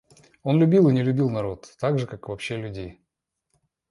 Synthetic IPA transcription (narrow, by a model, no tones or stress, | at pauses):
o̞nlʲʉbʲilˠɨnʲɪlʲʉbʲilˠnɐɾo̞t̪ːaɡʐɨkakvɐpɕːelʲʉdʲej